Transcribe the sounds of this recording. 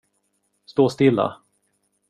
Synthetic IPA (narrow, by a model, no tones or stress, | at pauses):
st̪oːst̪ɪlːa̰